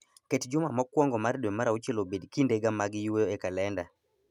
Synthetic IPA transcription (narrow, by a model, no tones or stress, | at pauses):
ketd͡ʒʊmamɔkwɔŋɡɔmaɾdwemaɾaut͡ʃelobedkindeɡamaɡɪjwejoekalɛnda